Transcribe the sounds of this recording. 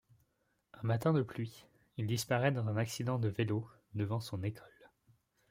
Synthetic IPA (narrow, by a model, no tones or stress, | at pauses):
ɛ̃mat̪ɛ̃d̪əplɥi | ild̪ispaʁɛd̪ɑ̃zɛ̃naksid̪ɑ̃d̪əvelo | d̪əvɑ̃sɔ̃nekʰɔl